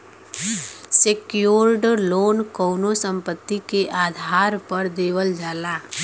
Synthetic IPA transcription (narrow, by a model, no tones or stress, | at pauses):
sekjoːɾɖloːnkoːnosə̃mpət̪ːikeʔaːd̪ʱaːɾpəɾd̪eːʋəld͡ʒaːlaː